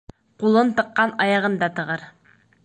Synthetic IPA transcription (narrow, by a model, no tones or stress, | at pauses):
qulˠɤnt̪ɤ̆qːɑnɑjɑʁɤ̆nd̪ɑt̪ɤ̆ʁɤɾ